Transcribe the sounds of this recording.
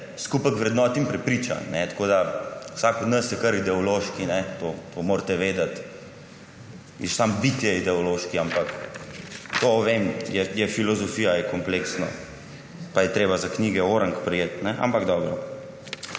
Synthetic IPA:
skupakʋɾɛd̪nɔːt̪impɾɛpɾit͡ʃa̰nɛt̪ḁkoːd̪awsakɔd̪nəsjɛkɐɾid̪ɛɔloʃkinɛt̪ot̪ʰomoːɾt̪ɛʋeːd̪ɐt̪ | isambit̪jɛid̪ɛɔloʃkiampak | t̪oʋemjɛjɛfilɔzɔfiːjajɛkɔmpleksnɔ̰ | pajɛt̪ɾeːbazakniːɡɛoːɾəŋkpɾɛjeːt̪nɛʔa̰mpaɡd̪ɔːbɾɔ

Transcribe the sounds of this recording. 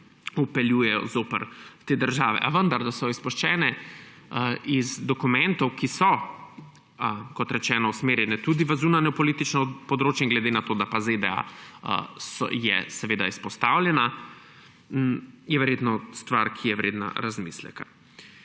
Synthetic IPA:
upɛljujɛjɔ̰zoːpəɾwt̪eːd̪əɾʒaːʋɛ̰ʔaʋənd̪aɾd̪asɔispɔʃt͡ʃɛːnɛ | izd̪ɔkumɛnt̪ɔwkisɔ | kɔt̪ɾɛt͡ʃɛːnɔusmeːɾjɛnɛt̪ud̪iʋəzunanɛɔpɔlit̪it͡ʃnɔpɔd̪ɾoːt͡ʃɛŋɡlɛd̪enat̪oːd̪apazed̪ɛa̰ | sɔ̰jɛ̰sɛʋeːd̪aispɔst̪awljɛna | jɛʋɛɾjet̪nɔst̪ʋaɾkʰijɛʋɾeːd̪na̰ɾazmiːslɛ̰ka

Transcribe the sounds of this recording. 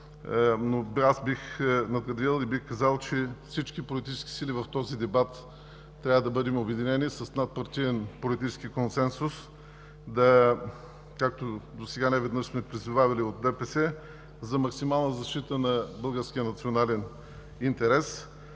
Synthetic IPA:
noasbixnɐd̪ɡɐd̪ɾilˠibixkɐzalˠt͡ʃɛfsit͡ʃkipolit̪i̥t͡ʃɛ̥skʲi̥silivɐft̪ɔzid̪ɛbat̪ː | ɾʲavəd̪ɐbɤd̪ɛmobɛd̪inɛnisɐsnat̪̚pɐɾt̪ijɛnpolit̪it͡ʃɛ̥skikonsɛnsʊs | d̪ɐ | kak̚t̪od̪osɛɡanɛvɛd̪nəʃsmɛpɾizuvavɛliot̪̚d̪ɛpɛsɛ | zɐmɐksimalˠnəzɐʃt̪it̪ənɐbɤlˠɡəɾsk̟ʲijənɐt̪sionalɛn | int̪ɛɾɛs

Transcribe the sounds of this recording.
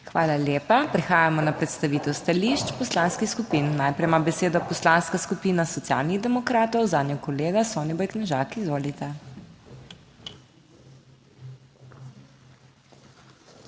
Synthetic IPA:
xʋaːlaljeːpapɾɛxaːjamɔnapɾɛt̪st̪aʋiːt̪ɛwst̪aliʃt͡ʃpɔslanskixskupinːajpɾɛjmabɛseːd̪ɔpɔslanskaskupiːnasɔt̪sia̰ːlniɣd̪ɛmɔkɾaːt̪ɔwzaːd̪nʲjɔkɔleːɡasɔːnibɔjknɛʒakizʋoːlit̪ɛ

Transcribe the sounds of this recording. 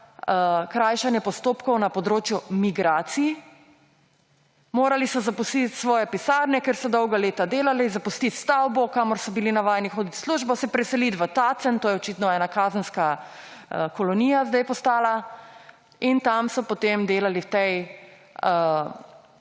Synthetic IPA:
kɾaːjʃanjɛpɔst̪oːpkɔwnapɔd̪ɾoːt͡ʃjumiɡɾaːt̪siji | moːɾalisɔzapust̪it̪sʋɔːjɛpisaːɾnʲɛkeɾsɔd̪ɔwɡaleːt̪ad̪eːlalɛzapust̪it̪st̪awbɔkamɔɾsɔbilinaʋaːjɛnixoːd̪it̪sluʒbɔsɛpɾɛsɛlit̪ʋət̪at̪sənt̪oːjɛɔt͡ʃit̪nɔɛːnakaːzənska | əkɔlɔnijazd̪ajpɔst̪aːla | int̪amsɔpot̪emd̪eːlaliwt̪ɛj

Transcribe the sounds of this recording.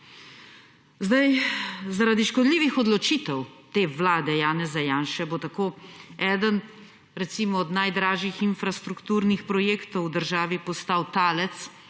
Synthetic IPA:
zd̪ajzaɾad̪iʃkɔd̪liːʋixɔd̪lɔt͡ʃiːt̪ɛwt̪eːʋlaːd̪ɛjaːnɛzajaːnʃɛbot̪akoɛːd̪ən | ɾɛt̪siːmɔːd̪najd̪ɾaːʒixinfɾast̪ɾukt̪uːɾnixpɾɔjeːkt̪ɔwd̪əɾʒaːʋipɔst̪awt̪aːlɛt̪s

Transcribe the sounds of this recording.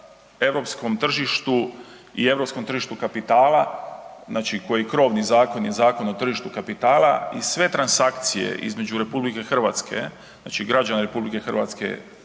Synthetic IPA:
e̞ʋɾo̞pskomt̪r̩ʒiʃt̪u | ḭe̞ʋɾo̞psko̞mt̪rʒiʃt̪ukapit̪aːlaznaːt͡ʃiko̞jikɾo̞ːʋnizaːko̞njezaːko̞not̪r̩ʒiʃt̪ukapit̪aːlˠaisʋe̞t̪ɾansakt̪sijḛʔḭzme̞d͡ʒuɾe̞publike̞xr̩ʋat̪skʰe̞̰ | zna̰ːt͡ʃiɡɾad͡ʒanaɾe̞publike̞xr̩ʋa̰t̪skḛ

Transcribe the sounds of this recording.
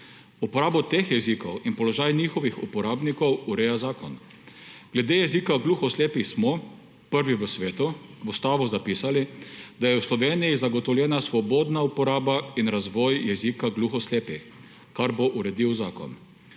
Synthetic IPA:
upɔɾaːbɔt̪exjɛzikɔwinpɔlɔʒaːjnixɔʋixṵpɔɾaːbnikɔwuɾɛːjazaːkɔn | ɡ̥lɛd̪ejɛzikaɡluːxɔsleːpismɔ | pəɾʋiʋəsʋeːt̪uʋust̪aːʋuzapiːsalid̪ajɛwslɔʋeːnijizaɡɔt̪ɔwljɛːnasʋɔboːd̪naupɔɾaːbainɾazʋɔjjɛzikaɡluxɔsleːpix | kaɾboʔuɾɛd̪iwzaːkɔ̰n

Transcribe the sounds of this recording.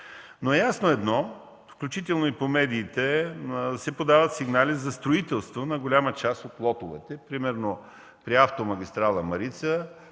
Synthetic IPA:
noɛjasnoɛd̪nɔ | fklʲut͡ʃit̪ɛlˠnoipomɛd̪iːt̪ɛ | sɛpod̪avət̪siɡnalʲizɐst̪ɾoit̪ɛlˠst̪vonɐɡolʲamət͡ʃast̪ot̪lˠɔt̪ovɛt̪ɛpɾimɛɾno | pɾiaft̪omɐɡʲist̪ɾalˠəmɐɾit̪sə

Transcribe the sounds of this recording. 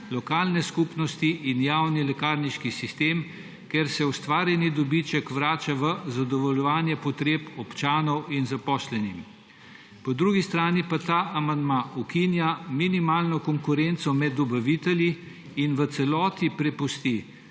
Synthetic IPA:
lɔkaːlnɛskupnɔst̪iʔinjaːwnilɛkaːɾniʃkisist̪eːm | keɾsɛust̪ʋaːɾjɛnid̪ɔbit͡ʃɛkʋɾaːt͡ʃaʋəzad̪ɔʋɔljɔʋaːnjɛpɔt̪ɾeːpɔpt͡ʃaːnɔwinzapɔːslɛnim | pɔd̪ɾuːɡist̪ɾaːnipat̪aːʔamand̪maukinjaminimaːlnɔkɔŋkuɾent̪sɔmɛd̪ɔbɐʋit̪ɛlji | inʋət̪sɛlɔːt̪ipɾɛpust̪i

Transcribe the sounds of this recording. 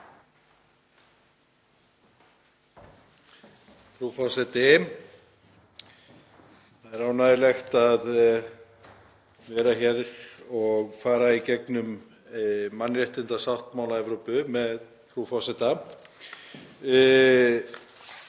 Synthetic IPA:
fɾufɔsɛt̪ɪ | θaðɛɾawnaðɪlɛxt̪að | vɛːɾaçɛɾɔɣfaːɾaicɛknʏmː | anːrɛht̪ɪnt̪asawht̪maːwlaɛvɾowpʏmɛð | fɾufɔsɛt̪a

